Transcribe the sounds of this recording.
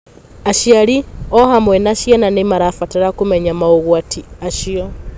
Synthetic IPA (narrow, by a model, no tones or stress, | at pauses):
aʃiaɾiɔhamwɛnaʃiananemaɾafataɾakomɛɲamaoɣwatʰiaʃiɔ